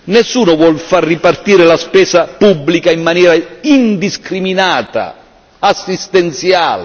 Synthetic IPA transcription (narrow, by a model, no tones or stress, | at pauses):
nɛsːuːnʊvwɔlfarːipart̪iːɾɪlaspɛːsapubːlikaimːanjɛːɾaind̪iskɾiminaːt̪a̰ | asːist̪ɛnt̪sjaːl